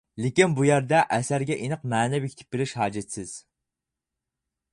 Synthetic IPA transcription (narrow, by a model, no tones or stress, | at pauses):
lɪkʲinbujæɾd̪ɛʔɛsæɾɡʲɛʔinəqmɛːnɛwɪkʲʰt̪ʰɪ̥p̚bɪlɪʃhɑːd͡ʒɪt̪sɪz̥